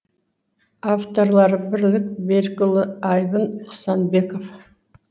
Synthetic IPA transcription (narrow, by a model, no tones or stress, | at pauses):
aft̪o̞ɾlˠɑɾəbɪɾlɪk̚beɾkʊlˠɪɑjbənqʰʊ̥sɑnbe̞kof